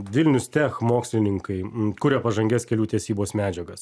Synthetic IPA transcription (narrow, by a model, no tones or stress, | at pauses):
ʋʲɪlʲnʲʊst̪ʲɛxmoːksʲlʲɪnʲɪŋkɐɪkʊɾʲepɐʒɐŋʲɡʲɛskʲɛlʲuːt̪ʲɛsʲiːboːsmʲæːd͡ʒʲɛɡɐs